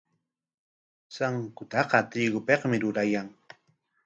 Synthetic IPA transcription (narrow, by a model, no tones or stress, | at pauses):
saŋkʊt̪ɑqɑt̪ɪɡʊpeqmɪɾʊɾajaŋ